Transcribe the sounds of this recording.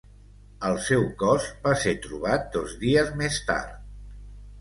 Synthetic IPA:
əlˠsɛwkɔzbaseɾt̪ɾuβ̞at̪̚d̪ozðiəzmest̪a̰ɾt̪

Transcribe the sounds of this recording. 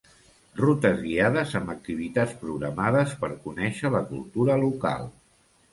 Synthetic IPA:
rut̪əzɣiaðəzəmbək̚t̪iβ̞it̪at͡spɾuɣɾəmaðəspəɾkunɛʃələkṵlˠt̪uɾəluka̰lˠ

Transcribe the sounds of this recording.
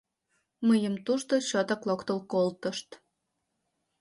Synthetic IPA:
məjəmt̪uʃt̪ot͡ɕot̪ɑklokt̪əlkolt̪ə̆ʃt̪

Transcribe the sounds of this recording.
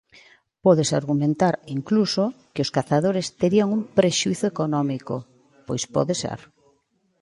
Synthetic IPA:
pɔðesaɾɣumẽnt̪aɾiŋklusokɪoskaθaðoɾest̪eɾiaŋumpɾeʃuiθʊekonɔmiko̰ | pojspɔ̰ðesɛ̰ɾ

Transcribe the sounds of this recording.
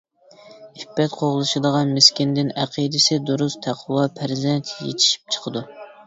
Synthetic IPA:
ibːɛt̪qʰoʁlˠɨʃɨd̪əʁɑnmeskʲind̪ɪnæqʰid̪ɪsɪd̪uɾust̪ʰæqʰwɑpʰæɾzɛnt̪ʰjḛt̪ʰi̥ʃi̥p̚t͡ʃʰə̥qʰəd̪u

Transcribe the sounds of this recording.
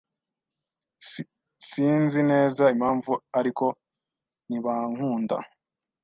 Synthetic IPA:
siːnzine̞ːzaimaːɱvuaɾiko̞ | niβaŋ̥huːnda̰

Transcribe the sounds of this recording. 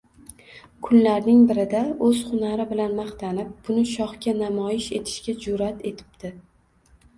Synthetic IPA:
kʰʊnlaɾnɪŋbɪɾɪd̪aɵz̥χʊnaɾɪbɪlanmɑχt̪ʰanɪp̚b̥ʊnɪʃɒχkʲanamɒjɪʃe̞t̪ʰɪ̥ʃkʲad͡ʒʊɾat̪ʰe̞t̪ʰɪ̥p̚d̪̥ɪ

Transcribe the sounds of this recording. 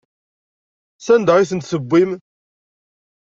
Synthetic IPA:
sænd̪ʁiθənt̪səbʷːim

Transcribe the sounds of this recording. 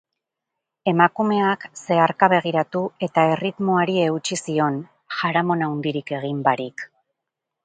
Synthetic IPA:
e̞makume̞akse̞aɾkaβe̞ɣ̞iɾat̪ue̞t̪ae̞rit̪mo̞aɾie̞ɣut͡ʃisio̞n | ʝaɾamo̞nawnd̪iɾike̞ɣ̞imbaɾik

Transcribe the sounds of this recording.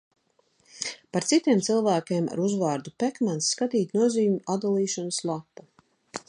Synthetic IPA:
paɾt̪sit̪iɛmt̪silˠvæːkʲeɛma̰ɾuzvaːɾd̪upɛkmansːkat̪iːt̪nuɔziːumʲuad̪alˠiːʃanəslˠapːu

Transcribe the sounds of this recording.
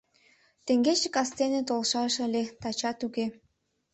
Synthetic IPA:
t̪eŋɡet͡ɕəkɑst̪enet̪olʃɑʃəlʲet̪ɑt͡ɕɑt̪uke

